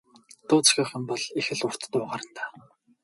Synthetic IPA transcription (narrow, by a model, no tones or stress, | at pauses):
t̪ʊːt͡sxʲaːχə̆mpɔɮixɘ̆ɮʊr̥t̪t̪ʊːʁaːɾə̆nt̪aː